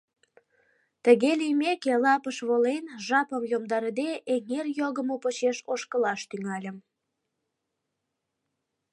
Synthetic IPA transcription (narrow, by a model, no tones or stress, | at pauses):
t̪əɣelijmekelɑpəʃβolenʒɑpəmjomd̪ɑɾəd̪eʔeŋerjoɣəmopot͡ɕeʃoʃkəlɑʃt̪yŋɑlʲəm